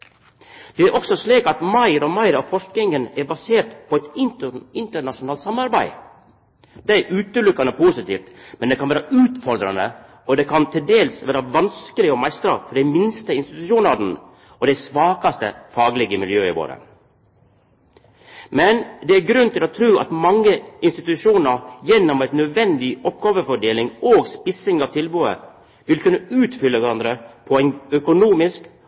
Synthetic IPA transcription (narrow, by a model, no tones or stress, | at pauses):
d̪̥ɛæɾʔɔksɔsliːkɑt̪mɑɪɾɔmɑɪɾɑʋfɔʂknɪŋənæɾbɑseːɾt̪pʰɔɛt̪ɪntɪnt̪əɳɑʂʊnɑːlt̪sɑmɑɾbæɪ | d̪̥æɪʔʉːt̪əlʉkːɑnəpʰuːsɪt̪iːft̪mɛnd̪ɛkɑnʋæːɾɑʔʉːt̪fɔɾd̪ɾɑ̰nə̰ | ɔd̪ɛkʰɑnt̪ʰɪld̪eːlsʋæːɾɑʋɑnskəlɪɔmæɪst̪ɾɑfɔɾɖɛɪmɪnst̪əɪnst̪ɪt̪ʉʂuːnɑd̪n̩ | ɔd̪ɛsʋɑːkɑst̪ə̰fɑːɡlɪɡəmɪljøːɪ̰ʋo̰ːɾə̰ | mɛnd̪ɛæɾɡɾʉnt̪ʰɪlɔt̪ʰɾʉːʔɑ̰t̪mɑŋːəɪnst̪ɪt̪ʉʂuːnɑɾjɛnːɔmæɪt̪nœd̪ʋɛnd̪ɪɔpːɡɑːʋəfɔɖeːlɪŋoːɡspɪsɪŋɑːʋt̪ʰɪlbʉːə̰ | ʋɪlkʰʉnːəʉːt̪fʏlːəʋæɾɑnd̪ɾəpʰɔæɪnœkʊnuːmɪsk